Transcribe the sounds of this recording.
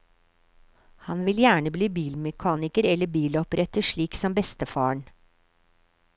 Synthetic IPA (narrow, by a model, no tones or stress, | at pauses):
hɑnʋɪljæːɳəblyːbiːlmɛkʰɑːnɪkəɾɛlːəbiːlɔpɾʔɛt̪əʂɭiːksɔmbɛst̪əfɑːəɳ